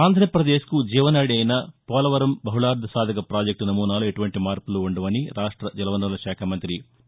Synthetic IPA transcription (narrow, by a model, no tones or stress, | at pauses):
aːnd̪ʱɾɐjɐpɾɐd̪eːʃkud͡ʒiːʋɐnaːɽiɐjnɐpɔːlɐʋɐɾɐmbɐɦulaːɾd̪ʱɐsaːd̪ʱɐkɐpɾaːd͡ʒɐk̚ʈunɐmuːnaːlueʈuʋɐɳʈimaːɾpuluːɳɖɐʋɐniɾaːʂʈɾɐd͡ʒɐlɐʋɐnːɐlɐʃaːkʰɐmɐnt̪ɾi